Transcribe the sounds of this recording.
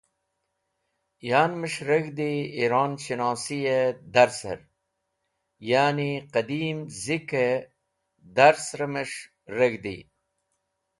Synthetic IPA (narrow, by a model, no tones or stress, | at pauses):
jaːnməʂɾəɡd̪iiɾaːnɕinaːsijed̪ɐɾsə̰ɾ | jaːniqɐd̪iːmzike | d̪aɾsɾəməʂ | ɾəɡd̪ḭ